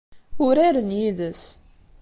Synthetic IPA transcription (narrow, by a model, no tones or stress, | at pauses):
ʊɾaɾənjiðəs